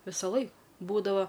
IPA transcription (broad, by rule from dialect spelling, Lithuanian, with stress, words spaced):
ˈʋʲɪsɐˌlˠɐɪ ˈbuːdɐʋɐ